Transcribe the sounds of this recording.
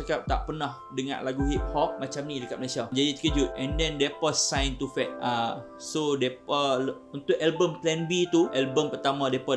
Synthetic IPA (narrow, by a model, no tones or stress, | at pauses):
akap̚t̪a̰ʔpərnah | dəŋã̰nlaɡuɦit̪̚hɔk̚mat͡ʃamnidəkat̪̚məlasiad͡ʒadit̪ə̥kəd͡ʒut̪̚ʔɛ̃ndɛ̃ndɛpɔsːãjnt̪ufɛt̪̚a | sodɛpəl | unt̪ʊʔɛlbəmt̪lɛnbit̪uʔɛlbəmpərt̪amãdɛpɔ